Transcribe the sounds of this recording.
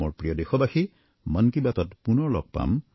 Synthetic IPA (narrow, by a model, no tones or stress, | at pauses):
oɹpɹijɔdexɔbaxi | mənkibat̪ɔtpunɔlɔk̚pa̰m